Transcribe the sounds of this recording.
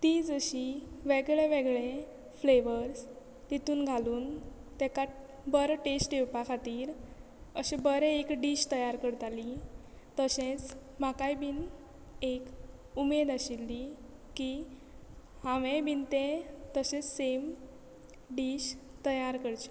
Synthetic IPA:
t̪id͡zəɕiʋeɡɭeʋeɡɭe | fleʋəɾs | t̪it̪uːnɡʱaluːnt̪ɛka | bəɾʈesʈewpakʰat̪iːɾ | əɕebəɾeekɖiːɕt̪əjaɾkəɽt̪ali | t̪əɕẽt͡s | makajbiːn | ek | umed̪aɕilːiki | hãʋẽbʱint̪ẽt̪əɕẽsem | ɖiːɕt̪əjaɾkəɽt͡ɕi̥

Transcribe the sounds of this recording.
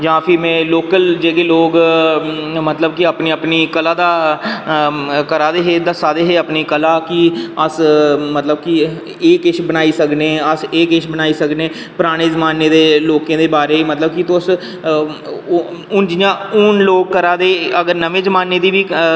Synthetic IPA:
d͡ʒãːpʰɪɾmɛ̃ːloːkəld͡ʒeːɡeːloːɡ | mət̪ləb̚kiəpniːəpniːkəlaːd̪aː | kəɾaːd̪eːɦeːd̪əsaːd̪eːɦeːəpniːkəlaːkiəsmət̪ləb̚ki | eːkɪʃbənaːiːsəkneːəseːkɪʃbənaːiːsəknẽː | pɾaːɽ̃eːzəmaːneːd̪eːloːkẽːd̪eːbaːɾeːmət̪ləb̚kit̪ʊs | ʊnd͡ʒɪjãːʊnloːɡ̚kːəɾaːd̪eːəɡəɾnəʋẽːzəmaːnːeːd̪iːbiː

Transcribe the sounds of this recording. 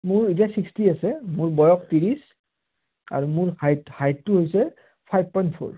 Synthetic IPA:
muɹitiasikstiasɛmuɹbɔjɔktiɹis | a̰ɹumʊɹhajthajttuɦojsɛ | pʰajb̚pɔjntpʰo̰ɹ

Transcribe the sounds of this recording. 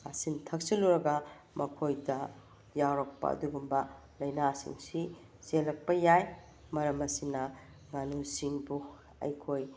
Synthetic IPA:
asintʰɐk̚siluɾɐɡɐ | mɐkʰojdɐ | jawɾɐk̚pɐ̰ɐ̰duɡumbɐ | lɐjnasḭŋsi | selɐk̚pɐjaj | mɐɾɐmɐsinɐ | ŋanusiŋbu | ɐ̰jkʰoj

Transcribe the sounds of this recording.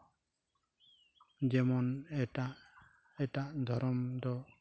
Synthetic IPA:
d͡ʒɛmɔnɛʈaʔ | ɛʈaʔd̪ʱɔɾɔmd̪ɔ

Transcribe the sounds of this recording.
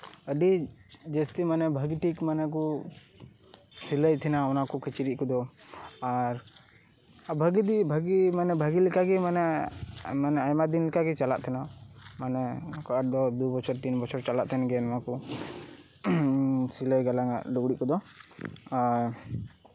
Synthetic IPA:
əɖid͡ʒəst̪imanɛbʱəɡiʈikmanɛk̬u | siləjt̪ʰɛnaɔnakukit͡ʃiɾiʔ̚kud̪ɔaɾ | bʱəɡid̪ibʱəɡimanɛbʱəɡilikaɡɛmanɛ | manɛajmad̪inlikaɡɛt͡ʃala̰ʔt̪ʰɛnamanɛkɔad̪ɔd̪ubɔt͡ʃʰɔɾt̪inbɔt͡ʃʰɔɾt͡ʃalaʔt̪ʰɛnɡɛnɔmaku | siləjɡalaŋa̰ʔluɡɽiʔkud̪ɔ | aɾ

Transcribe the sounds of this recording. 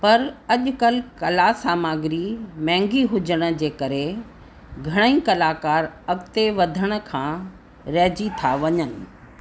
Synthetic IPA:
pɐɾɐʄkɐlkɐlaːsaːmaːɡɪɾimɛ̃ːŋɡiɦʊd͡ʑəɽ̃ə̆d͡ʑeːkɐɾe | ɡʱɐɽ̃əĩkɐlaːkaːɾɐɡt̪eʋɐd̪ʱəɽ̃ə̆kʰãː | ɾɐːd͡ʑit̪ʰaʋɐɲənɪ̆

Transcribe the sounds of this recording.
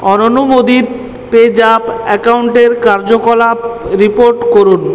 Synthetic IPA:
ɔnonumod̪it̪ | ped͡ʑapɛkauɳʈeɾkaɾd͡ʑokɔlaɾipoɾʈkoɾun

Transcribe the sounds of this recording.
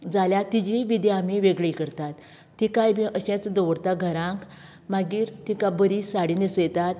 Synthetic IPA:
d͡zaljat̪id͡ʑiʋid̪jamiʋeɡɭejkəɾt̪at̪ː | ikajbiʔəɕɛ̃t͡sd̪ɔʋɽt̪aɡʱəɾãŋk | maɡiːɾt̪ikabəɾisaɽinisəjt̪at̪

